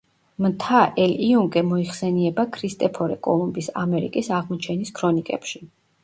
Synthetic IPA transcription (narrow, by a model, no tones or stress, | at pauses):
mt̪ʰaʔɛliuŋkʼɛmɔiχsɛniɛbakʰɾist̪ʼɛpʰɔɾɛkʼɔ̰lˠumbisa̰mɛɾḭkʼisaʁmɔt͡ʃʰɛniskʰɾɔnikʼɛ̰pʃi